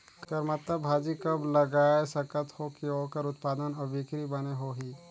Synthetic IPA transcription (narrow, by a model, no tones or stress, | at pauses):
kɐɾmɐt̪ləbːʱaːd͡ʒikɐblɐɡaːesɐkət̪hokiɦokəɾʊt̪paːd̪ənɐbʱikɾibɐneɦoːɦiː